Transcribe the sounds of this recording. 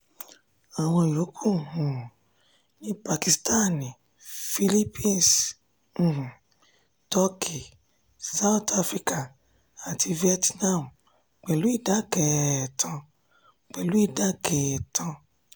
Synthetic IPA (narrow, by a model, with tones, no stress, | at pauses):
a˨w̃ɔ̃˧i˨lo˨˦kʰu˦˨hũ˨ | nĩ˦pa˧ki˨sta˦nĩ˨ | fi˧li˦pĩ˦˨n˨s̩˨ | tɔ˦kʰi˨ | sa˦u˦ta˧fɾi˦ka˦˨ | a˨tʰi˧vi˦ɛ˦tnã˦˨m˨ | k͡pɛ˨lu˨˦i˦˨da˨˦kɛ˨tʰã˧ | k͡pɛ˨lu˨˦i˦˨da˨˦kɛ˨tʰã˧